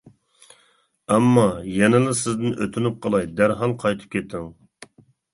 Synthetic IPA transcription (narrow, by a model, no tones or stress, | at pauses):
ɛmːɑjɛnɪlˠɪsɪzd̪ɪnʔøt̪ʰynyp̚qʰəlˠɑjd̪æɾɦɑlˠqʰɑjt̪ʰɨ̥p̚kʲʰet̪ʰːɪŋ